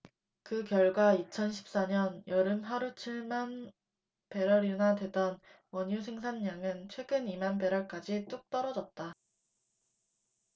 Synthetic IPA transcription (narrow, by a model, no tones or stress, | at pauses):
kɯkjʌɭɡwait͡ɕʰʌnɕʰi̥p̚s͈aɲʌnjʌɾɯmɸaɾut͡ɕʰiɭman | pe̞ɾʌɾjunadwe̞dʌn | wʌɲus̬ʰeŋs̬ʰanːaŋɯnt͡ɕʰwe̞ɡɯnimanbe̞ɾʌɭk͈ad͡ʑit͈uk̚t͈ʌɾʌd͡ʑʌt̚t͈a